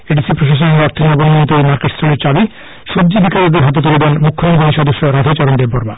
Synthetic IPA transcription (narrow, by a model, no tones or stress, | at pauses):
eɖisipɾoʃaʃ̬oneɔɾt̪ʰinɔbonːont̪emaɾkeʈst̪ʰɾuɾeɾt͡ɕabi | ʃubd͡ʑid̪ʱikʰaɾad̪eɾɦat̪̬et̪uled̪ɛnmukʰːomoɡʱoniʃɔd̪oʃːoɾad̪ʱat͡ɕɔɾond̪ebbɔɾba